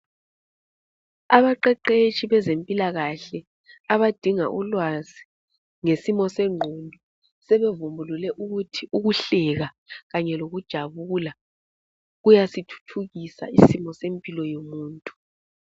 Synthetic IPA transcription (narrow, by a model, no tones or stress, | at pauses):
aβaǃɛǃet͡ʃʼiβɛzempʼilaɣaɬɛ | aβad̥ʱiŋa̰ʔulwazi | ŋesimɔsɛŋ͡ǃʱondʱɔ | sɛβevumbʱululɛʔuɣutʰiʔuɣuɬɛɣa | ɣaɲɛloɣud̥ʒ̥ʱaβuːla | ɣujasitʰu̥tʰuɣisa̰isimɔsempʼilɔjomuːntʼu̥